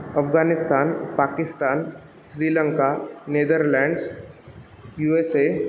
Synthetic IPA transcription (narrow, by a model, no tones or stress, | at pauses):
ɐfɡaːnɪst̪aːnpaːkɪst̪aːn | ʃɾiːlə̃ŋkaneːd̪əɾlɛ̃ːɳɖs | juːeseː